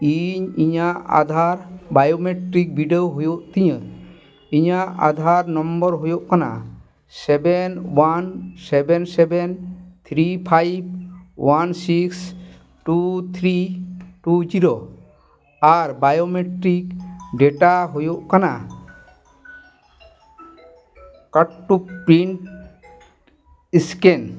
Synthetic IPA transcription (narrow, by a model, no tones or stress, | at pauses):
iɲiɲaʔa̰d̪ʱaɾbajomeʈɾik̚bʱiɖeoɦojoʔt̪iɲə | iɲaʔa̰d̪ʱaɾnɔ̃mbɔɾɦojoʔkana̰ | sɛbɛnwansɛbɛnsɛbɛnt̪ʰɾipʰajb̚wansiks | ʈut̪ʰɾiʈud͡ʒiɾo | aɾbajomeʈɾikɖeʈaɦojoʔkana | kaʈʈːupɾiɳʈ | iskɛn